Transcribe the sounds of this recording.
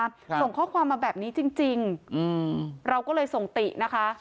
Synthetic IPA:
so˨˩ŋkʰɔː˥˩kʰwaː˧mːaː˧bɛː˨˩p̚niː˦˥t͡ɕi˧ŋt͡ɕi˧ŋɯ˧ɾa˧wkɔː˥˩lɤː˧jso˨˩ŋt̪i˨˩ʔna˦˥kʰa˦˥

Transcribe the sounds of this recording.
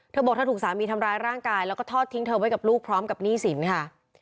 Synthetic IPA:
t̪ʰɤː˧bɔː˨˩k̪̚ʰa˥t̪uː˨˩k̚saː˩˦miː˧t̪ʰa˧mɾaː˧jɾaː˥˩ŋkaː˧jlɛː˦˥wkɔː˥˩t̪ʰɔː˥˩t̪ʰːi˦˥ŋt̪ʰɤː˧wa˦˥jka˨˩p̚luː˥˩k̚pʰɾɔː˦˥mka˨˩p̚niː˥˩si˩˦nkʰa˥˩

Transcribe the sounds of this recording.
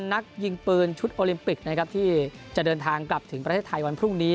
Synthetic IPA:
nːa˦˥k̚ji˧ŋpɯː˧nt͡ɕʰu˦˥t̪̚ʔoː˧li˧mpi˨˩k̚na˦˥kʰɾa˦˥p̚t̪ʰiː˥˩t͡ɕa˨˩dɤː˧nt̪ʰaː˧ŋkla˨˩p̚t̪ʰɯ˩˦ŋpɾt̪ʰeː˥˩t̪ʰːa˧jwa˧npʰɾu˥˩ŋniː˦˥

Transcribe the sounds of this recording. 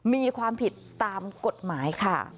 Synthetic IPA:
miː˧kʰwaː˧mpʰi˨˩t̪ːaː˧mko˨˩t̪̚maː˩˦jkʰa˥˩

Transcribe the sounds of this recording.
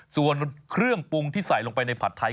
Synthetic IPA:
su˨˩ənkʰɾɯ˥˩əŋpu˧ŋt̪ʰiː˥˩sa˨˩˦jlo˧ŋpa˧jna˧jpʰa˨˩t̪ʰːa˧˦

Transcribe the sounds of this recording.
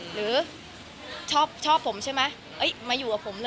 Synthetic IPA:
ɾɯː˩˦ | t͡ɕʰɔː˥˩p̚t͡ɕʰɔː˥˩pʰːo˩˦mt͡ɕʰa˥˩jma˦˥ | ʔɤ˦˥jmaː˧juː˨˩ka˨˩pʰo˩˦mlɤ˧

